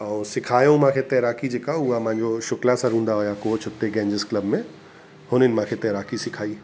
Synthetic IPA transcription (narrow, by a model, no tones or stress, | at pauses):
ɔːɾsɪkʰaːjõmãːkʰet̪ɛːɾaːkid͡ʒeːkaʊamãːɲd͡ʑoʃʊklasaɾɦũːnd̪aɦoːjakoːt͡ʃʰʊt̪ːeɡɛ̃ːɲd͡ʒɪskləbmẽ | hʊnɪnmãːkʰet̪ɛːɾaːkisɪkʰaːiː